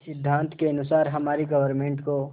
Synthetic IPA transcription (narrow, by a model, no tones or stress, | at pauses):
sɪd̪ʱːãːnt̪ʰkeɐnʊsaːɾɦɐmaːɾiɡəʋəɾmẽːɳʈko